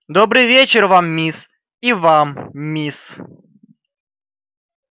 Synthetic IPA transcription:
d̪obɾɨjvʲet͡ɕɪrvamːʲis | ivamːʲis

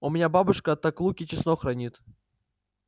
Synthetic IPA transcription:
ʊmʲɪnʲababʊʂkəɐt̪ːɐklˠukʲɪt͡ɕɪsnoxɾɐnʲit̪

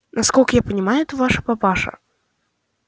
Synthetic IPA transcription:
naskɔlʲkɐjapənʲɪmajʊɛt̪ɔvaʂɐ̥papaʂɐ̰

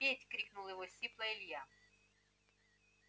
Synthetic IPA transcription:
pʲetʲkɾʲiknʊlˠjɪvosʲtʲiplˠɐɪlʲja

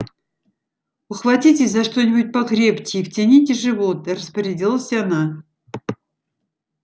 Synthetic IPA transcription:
ʊxvɐtʲitʲɪzɐʂt̪onʲɪbʊt̚ʲpɐkɾʲeptʲɪftʲenʲitʲɪʐɨvot̪̚əɾəspəɾʲɪdʲilˠəsʲana

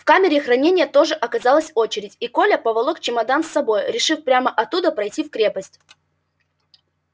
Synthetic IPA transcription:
fkamʲɪɾʲɪxrɐnʲenʲɪjət̪o̞ʐɨʔɐkɐzɑlˠəsʲo̞t͡ɕɪɾʲɪdʲiko̞lʲəpəvɐlˠokt͡ɕɪmɐd̪ansːɐbo̞jɾʲɪʂɨfpɾʲaməʔɐt̪ːud̪əpɾɐjtʲifkɾʲe̞pəsʲtʲ

